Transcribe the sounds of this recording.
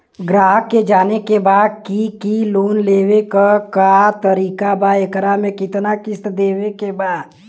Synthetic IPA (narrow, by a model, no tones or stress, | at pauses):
ɡɾaːɦkːed͡ʒaːnekebaːd̪̚kikiloːnleːwekakat̪ɐɾiːkabaekɾamẽkɪt̪nakɪst̪d̪eːwekebaːd̪